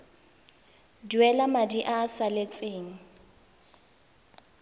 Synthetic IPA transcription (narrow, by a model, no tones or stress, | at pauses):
dwɛlamadiʔaːsalet͡sʼeːŋ̩